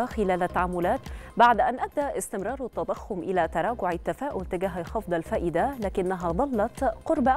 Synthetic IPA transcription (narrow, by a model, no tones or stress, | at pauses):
xɪlaːlat̪ːaʕamːʊlaːt̪baʕd̪ʔanʔab̚d̪aʔɪst̪ɪmɾˤɑːɾˤt̪ːɑd̪ˤɑxːʊmʔɪlat̪ɑɾˤɑːɡʊʕɪt̪ːafaːʔʊlt̪ɪɡaːɦaxɑfd̪ˤɑlfaːʔɪd̪alaːkɪnːaɦad̪ˤɑlːɑt̪qʊɾbaʔ